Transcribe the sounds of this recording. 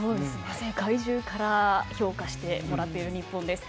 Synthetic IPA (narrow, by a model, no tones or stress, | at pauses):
oːd̪esɨnezeɡaiʑɨːkaɾaço̞ːkaɕi̥t̪e̞mo̞ɾat̪ːe̞iɾɯ̟ɲ̟ipːõ̞nd̪e̞sɨ̥